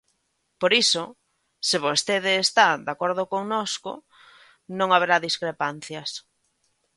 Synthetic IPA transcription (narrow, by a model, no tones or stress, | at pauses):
poɾiso | sɪβost̪eðɪːst̪ad̪akoɾð̞okoŋnoskʊ̰ | nõŋaβeɾaðiskɾepan̟θjas